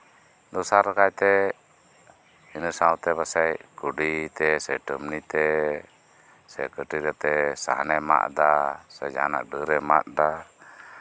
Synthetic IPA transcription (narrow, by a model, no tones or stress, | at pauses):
d̪ɔsaɾkajt̪ɛ | inəsawt̪ɛbasajkuɖit̪ɛsɛʈəmnit̪ɛ | sɛkəʈiɾɛt̪ɛsa̰ɦnɛma̰ʔd̪asɛd͡ʒa̰na̰ʔɖəɾɛma̰t̪̚d̪a